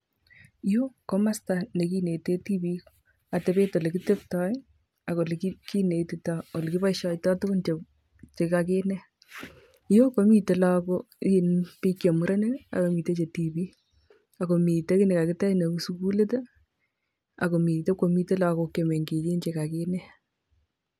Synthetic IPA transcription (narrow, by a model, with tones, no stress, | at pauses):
jo˦ko˦ma˦sta˨ne˨ki˦ne˨te˦ti˦bi˦ | a˨te˨be˦to˨le˨ki˦te˦ptɔ˦j | a˨ko˨le˨ki˦ki˦ne˨ti˨tao˨lki˦ba˦ʃɔ˦ɪtɔ˦to˦ko˦nt͡ʃe˨ | t͡ʃe˨ka˨ke˦nɛ˦ | jo˦ko˦mi˦te˨la˦ko˦ | i˦npi˦kjo˨mu˦ɾa˦ne˦a̰˨ko˨mi˨te˦t͡ʃe˨ti˨bi˦ | a˨ko˨mi˨te˦kɪ˦ne˨ka˨kɪ˦tɛ˦ne˨ku˦su˦ku˦le˦te˦ | a̰˨ko˨mi˨te˦kːo˨mi˦te˦la˨ko˨ke˨me˨ŋɡi˨je˦nt͡ʃe˨ka˨ke˦nɛ˦